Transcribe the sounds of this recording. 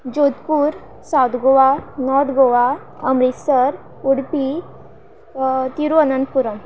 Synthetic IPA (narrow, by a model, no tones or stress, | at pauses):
d͡ʑot̪puɾ | sad̪ɡoʋanɔɾd̪ɡoʋa | əmɾisəɾ | uɽpi | t̪iɾuənənd̪̚puɾəm